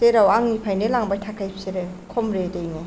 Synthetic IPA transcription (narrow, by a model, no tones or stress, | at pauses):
teɾawaŋnipʰajnelaŋbajtʰakʰajpʰseɾekʰɔmɾedejno